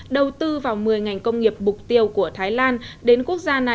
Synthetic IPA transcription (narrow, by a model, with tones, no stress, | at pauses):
ɗə˨˩wt̪ɨ˧vaː˨˩wmɨ˨˩əjŋa˨˩jŋ̟kə˧wŋ͡mŋi˨˩əp̚mʊ˨˩k͡p̚t̪i˧əwku˧˩ət̪ʰaː˨˦jlaː˧nɗe˨˦nku˦˥ək̚zaː˧na˨˩